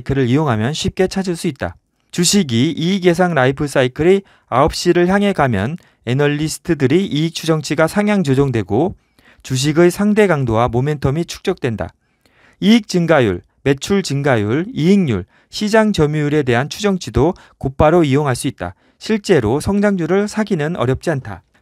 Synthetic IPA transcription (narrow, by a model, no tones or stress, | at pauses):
kʰɯɾɯɾioŋɦamjʌnɕʰɥip̚k͈e̞t͡ɕʰad͡ʑiɭs͈uit̚t͈a̰ | t͡ɕuɕʰiɡiiːɡe̞s̬ʰaŋɾaipʰɯs͈aikʰɯɾi | aʌp̚ɕ͈iɾɯɭçjaŋɦe̞ɡamjʌ̰n | e̞nʌʎːisʰɯ̥tʰɯdɯɾiʔiːk̚t͡ɕʰud͡ʑʌŋt͡ɕʰiɡasʰaŋjaŋd͡ʑod͡ʑoŋdwe̞ɡo | t͡ɕuɕ̬ʰiɡɯsʰaŋde̞ɡaŋdowamome̞ntʰʌmit͡ɕʰu̥k̚t͡ɕ͈ʌk̚t͈we̞nda̰ | iːk̚t͡ɕɯŋɡajṵɭ | me̞t͡ɕʰuɭt͡ɕɯŋɡajuɭiiŋɲṵɭ | ɕʰid͡ʑaŋt͡ɕʌmjujuɾe̞de̞ɦant͡ɕʰud͡ʑʌŋt͡ɕʰido | kop͈aɾoioŋɦaɭs͈uit̚t͈a̰ | ɕʰiɭt͡ɕ͈e̞ɾosʰʌŋd͡ʑaŋd͡ʑuɾɯɭsʰaɡinɯnʌ̰ɾjʌp̚t͡ɕ͈iantʰa̰